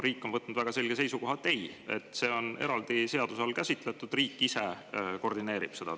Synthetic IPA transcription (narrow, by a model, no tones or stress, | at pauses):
ɾiːkːˑo̞nvɤt̪ːˑnud̪væɡ̥ɑse̞lʲɡ̥e̞se̞jsuko̞ɦɑt̪ˑːeje̞̰t̪ːˑse̞ːo̞ne̞̰ɾɑld̪̥ise̞ɑd̪̥usɑlkæsit̪ˑlet̪ːˑud̪̥riːkːise̞ | ko̞rd̪ineːɾib̥se̞d̪̥ɑ